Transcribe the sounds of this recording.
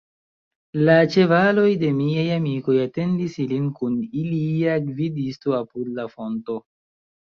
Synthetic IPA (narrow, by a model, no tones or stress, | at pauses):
lat͡ʃe̞valo̞jde̞miajamiko̞jate̞ndisilinkuniliaɡvidistoapudlafo̞nto̞